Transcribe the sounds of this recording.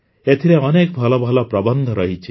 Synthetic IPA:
et̪ʰiɾeʌnek̚bʱʌlɔbʱʌlɔprʌbʌnd̪ʱʌɾʌɦit͡sʰi

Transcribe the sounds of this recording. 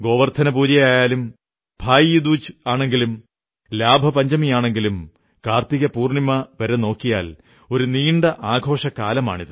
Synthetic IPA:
ɡo̞ːʋɐrt̪ʰɐnɐpuːd͡ʑɐjaːjaːlum | bʱaːjijud̪uːt͡ɕɨaːɳe̞ŋɡilum | laːbʱɐpɐɲd͡ʑɐmijaːɳe̞ŋɡilum | kaːrt̪iɣɐpuːrɳimɐʋɐɾeno̞ːkːija̰ːl | o̞ɾuniːɳɖɐʔaːɡʱo̞ːʂɐkaːlɐma̰ːɳiðɨ

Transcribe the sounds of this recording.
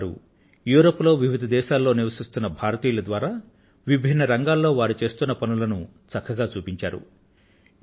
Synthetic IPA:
ɾṵ | juːɾoːpːlo̞ːʋiʋid̪ʱɐd̪ɛːʃaːlːo̞ːniʋɐsist̪unːɐbʱaːɾɐt̪iːjlɐd̪ʋaːɾaː | ʋibʱinːɐɾɐŋɡaːlːo̞ːʋaːɾut͡ʃe̞ːst̪unːɐpɐnulɐnu | t͡sɐkʰːɐɡaːt͡ʃuːpiɲt͡ʃa̰ːɾṵ

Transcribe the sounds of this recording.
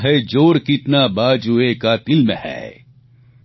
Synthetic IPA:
ɦed͡ʒoːɾkɪt̪nabaːd͡ʒuekat̪ɪlmehɛ̰ː

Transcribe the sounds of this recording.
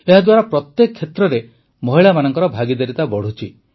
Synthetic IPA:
eɦad̪waɾapɾɔt̪jekɔkʰːet̪ɾɔɾe | mɔɦiɭamanɔŋkɔɾɔbʱaɡid̪eɾit̪abɔɽ̤ut͡ʃʰi

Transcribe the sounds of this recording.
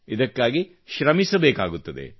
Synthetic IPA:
id̪ɐkːaːɡi | ʃɾɐmisɐbeːkaːɡut̪ːɐd̪ḛ

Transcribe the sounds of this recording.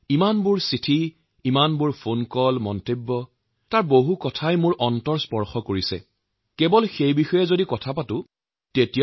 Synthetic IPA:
imanbʊɹsitʰi | imanbʊɹpʰonkɔlmɔntebːɔ | taɹboɦukɔtʰajmʊɹʔɔntɔɹspɔɹxɔkoɹisɛ̰ | kɛbɔlxejbixɔjɛzodikɔtʰapatʊ | tetija

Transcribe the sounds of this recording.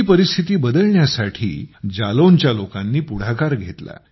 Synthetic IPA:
pəɾist̪ʰit̪iːbəd̪əlɳjasaʈʰḭːd͡ʑalont͡ɕjalokanːiːpuɽ̤akaɾɡʱet̪la̰

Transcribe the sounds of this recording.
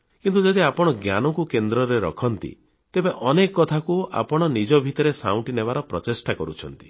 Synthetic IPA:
kint̪ud͡ʒɔd̪iapɔɽ̃ɔɡjanɔkukend̪ɾɔɾeɾɔ̰kʰɔnt̪ḭ | t̪ebeʔɔnekɔkɔt̪ʰakua̰pɔɽ̃ɔnid͡ʒɔbʱit̪ɔɾesaw̃ʈinebaɾɔpɾɔt̪esʈakɔɾṵt͡ʃʰɔn̪t̪i̥

